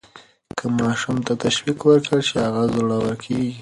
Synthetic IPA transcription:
kʰəmɑʃumt̪at̪aʃwikwəɾkəɽt͡ʃehaɣazuɽawəlkʰeɡi

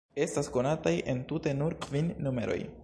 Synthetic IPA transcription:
e̞stasko̞natajʔe̞ntute̞nuɾkvinːume̞̰ɾo̞̰j

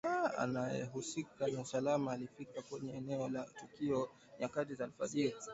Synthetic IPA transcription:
aa̰najɛ̰ɦusikanausalamaːlifikakwɛɲɛɛnɛɔlatukiɔ | ɲakatizal̩ufaðiɾi

